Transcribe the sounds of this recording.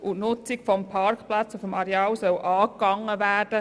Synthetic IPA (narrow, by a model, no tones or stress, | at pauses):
ʔʊtnʊt͡sɪkfɔmpʰɑrkplɑt͡sufɔmɑɾɛɑːwsœwʔɑːkːɑŋːəvæːrd̥ə